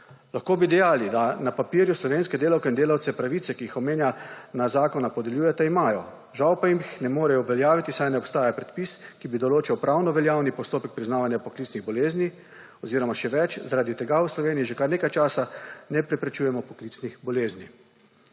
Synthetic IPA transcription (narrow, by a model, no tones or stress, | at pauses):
laxkoːbid̪ɛjaːlid̪anapapiɾjuslɔʋeːnskɛd̪eːlawkɛind̪eːlawt̪sɛpɾaʋit̪sɛkiixɔmeːnjanazaːkɔnapɔd̪ɛljuːjɛt̪ɛimaːjɔ | ʒawpajimixnɛmoːɾɛjɔuʋɛljaːʋit̪isajnɛɔpst̪aːjapɾɛt̪piskibid̪ɔloːt͡ʃiwpɾawnɔʋɛljaːwnipɔst̪oːpɛk̚pɾiznaːʋanjapɔklit̪sniɣbɔleːzni | ɔziːɾɔmaʃɛʋɛt͡ʃzaɾaːd̪it̪ɛɡawslɔʋeːnijiʒɛkaɾneːkajt͡ʃaːsanɛpɾɛpɾɛt͡ʃuːjɛmɔpɔkliːt̪snixbɔleːzni